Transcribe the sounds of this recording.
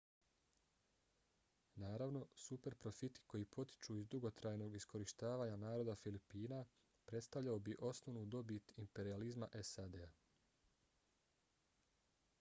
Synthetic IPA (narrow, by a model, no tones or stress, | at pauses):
naːɾaʋno̞supe̞ɾpɾo̞fit̪i̥ko̞jipʰo̞t̪i̥t͡ʃuizd̪uɡo̞t̪ɾajno̞ːɡisko̞ɾiʃt̪aːʋaːɲanaːɾo̞d̪afilipiːna | pɾe̞t̪st̪aʋʎaobiʔo̞snoʋnud̪o̞bit̪impe̞ɾializma̰ʔe̞sad̪ea